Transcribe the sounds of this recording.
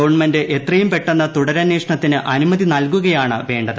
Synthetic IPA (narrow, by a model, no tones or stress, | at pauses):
ɐʋɐɳmendɨʔe̞t̪rɐjumpe̞ʈːenːɐt̪uɽɐɾɐnːeːʂɐɳɐt̪ːinɨʔɐnumɐðinɐlkuɣɐjaːɳɨʋe̞ːɳɖɐðɨ